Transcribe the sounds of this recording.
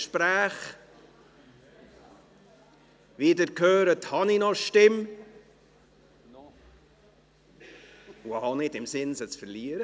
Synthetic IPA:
ʃpɾæːχ | ʋidəɾkhøːɾəthɑninɔʃtɪm | uhɑnɪdɪmsɪnsət͡sfəɾliəɾə

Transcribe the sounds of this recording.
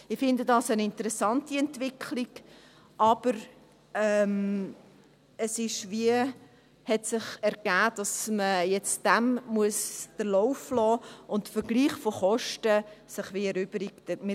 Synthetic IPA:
ɪfɪndədɑsənɪntəɾɛsɑntiɛntʋɪkʰliɡ | ʔɑb̥əɾ | ɛm | əsɪʃʋiə | hɛtsɪχɛɾɡ̥æːd̥ɑsməjɛt͡sd̥æmmuəsd̥əɾlɔʊflɔːʊntfəɾɡliːχfoχɔʃtəsɪχʋiɛɾʏb̥əɾiktəmɪ

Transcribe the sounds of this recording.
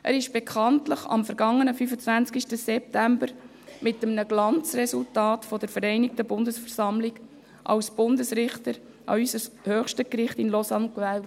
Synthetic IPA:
ʔæ̰ɾɪʃb̥ɛkχɑntləχɑ̰mfəɾɡɑŋːənəfyfət͡sʋænt͡skiʃtəsɛp̚tæmbəɾ | mɪtːəmnəɡlɑnt͡srɛsultɑːtfɔdəɾfəɾɛɪnɪk̚təbʊndəsfɛɾsɑmlɪɡ | ʔɑ̰wsb̥ʊndəsɾɪχtəɾ | ʔɑ̰ysəshøːχʃtəkɾɪχtɪnlɔsɑnkvæːl

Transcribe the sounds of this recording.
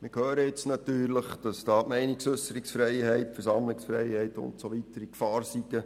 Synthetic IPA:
mɪkhøːɾəjɪt͡snɑtyːɾləχd̥ɑsd̥ɑːmɛɪnɪksʏsəɾɪksfrɛɪhɛɪtfɛɾsɑmlɪksfrɛjhɛɪtʊ̰ntsoʋitəɾikfɑːrsiɡə

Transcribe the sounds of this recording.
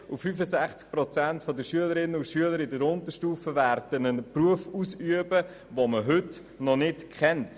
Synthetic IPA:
ufyfəsæχt͡sk̚pɾɔt͡sæntfɔd̪əʃyələɾɪnːəʊʃyələɾɪdəɾʊntəʃtuːfəvæɾd̥ənənpruəfuːsyəbə | ʋoməɦʏt | nɔnɪtkχɛnt

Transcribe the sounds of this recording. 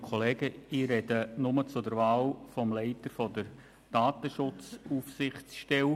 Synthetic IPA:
kʰoleːɡ̥əiɾɛdənʊmət͡sʊdəɾvaːlfɔmlɛɪtəɾfɔdəɾ | d̥aːtəʃʊt͡suːfsɪχt͡sʃtɛw

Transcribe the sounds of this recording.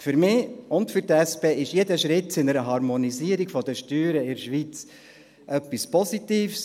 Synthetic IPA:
fʏɾmɪʊntfʏɾtɛspeːɪʃjed̪əʃɾɪtsɪnəɾəɦɑɾmɔniziəɾiɡ̥fɔd̪əʃtyːɾəɪɾʃʋit͡s | ʔœpːispɔsit̪iːfs

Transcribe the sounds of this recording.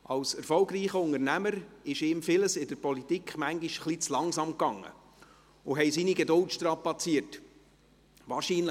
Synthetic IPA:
ɑwsɛɾfɔlɡriːχəʊŋəɾnæməɾɪʃɪːmfɪləsɪdəɾpɔlitikχmæŋɡiʃχlit͡slɑŋsɑmkːɑŋːə̰ | ʊɦɛjsiniɡɛdʊltʃtɾɑpːɑt͡siət | ʋɑːɾʃiːnlə

